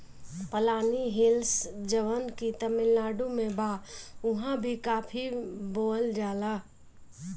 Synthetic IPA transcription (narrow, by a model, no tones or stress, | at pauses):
pəlaːniɦelsd͡ʒəʋənkit̪əmɪlːaːɖumebaʊɦãbʱikaːpʰibold͡ʒaːla